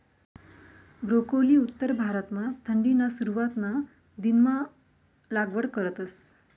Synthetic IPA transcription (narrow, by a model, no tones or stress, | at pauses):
ɡɾokoliːut̪ːəɾbʱaɾət̪mat̪ʰəɳɖinasuɾuʋat̪na | d̪inma | laɡʋəɽkəɾət̪əs